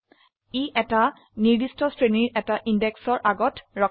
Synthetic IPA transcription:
iʔɛta | niɹdistɔstɹeniɹɛtaʔindɛksɔɹʔaɡɔtɹɔ

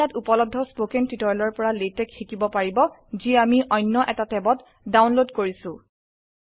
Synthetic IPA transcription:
atupɔlɔb̚dʱɔspokentitɔɹlɔɹpɔɹaletɛkxikibɔpaɹibɔ | ziamiʔɔjnːɔʔɛtatɛbɔt | dawnlodkoɹisʊ̃

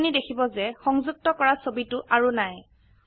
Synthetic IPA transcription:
nidekʰibɔzɛxɔŋzuk̚tɔkɔɹasobitʊʔaɹunaj

